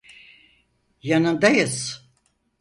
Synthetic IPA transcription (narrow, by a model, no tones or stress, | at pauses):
janɯnd̪ajɯz̥